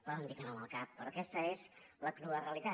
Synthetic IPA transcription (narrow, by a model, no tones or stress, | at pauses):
baðənd̪ikənaməlˠkapːɾɔkɛst̪əezləkluəreəlit̪a